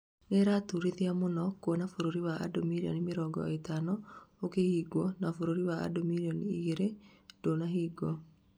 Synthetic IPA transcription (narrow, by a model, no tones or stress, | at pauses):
neɾaːtuɾeðiamonɔkwɔnafoɾoɾiwaa̰domiɾiɔ̰nimeɾɔɡɔ̰etanɔokehiːɡwɔnafoɾoɾiwaa̰domiɾiɔniiɣeɾedoːnaɦiːɡɔ